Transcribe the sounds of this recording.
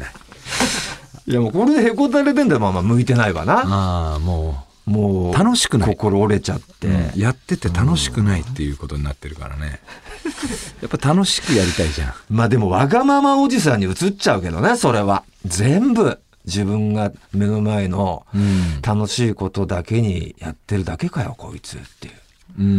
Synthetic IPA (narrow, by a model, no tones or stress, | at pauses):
jamoːko̞ɾe̞d̪ehekot̪̬aɾet̪end̪emamamɯ̟it̪e̞naiβa̰naamoː | moːt̪anoɕi̥kɯnko̞ko̞ɾo̞ːɾe̞t͡ɕat̪ːe̞̰jat̪ːe̞t̪e̞t̪ano̞ɕi̥kɯ̟nait̪ːe̞jɯ̟ːko̞t̪o̞ɲ̟ina̰t̪ːe̞ɾɯ̟ka̰ɾa̰ne̞̰ | japːat̪ano̞ɕi̥kɯ̟jaɾʲit̪aiʑã̰maːd̪e̞mo̞βaɡamamao̞d͡ʑis̬ãɲ̟ːiɯ̟t͡sɨt͡ɕaɯ̟ke̞d̪o̞ne̞so̞ɾe̞βa | d͡zẽ̞mbɯ̟ | d͡ʑibɯ̟̃ŋɡame̞no̞maeno̞ | t̪ano̞ɕiːko̞t̪o̞d̪ake̞ɲ̟ḭja̰t̪ːe̞ɾɯ̟d̪ake̞kajo̰ko̞̰it͡sɨ̰t̪ːe̞̰jɯ̟ | ɯ̃